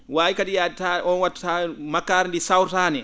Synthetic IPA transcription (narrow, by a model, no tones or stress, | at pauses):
waːjikaɗijataɔnwatːḁtamakːaɾndisawɾtaːnɛ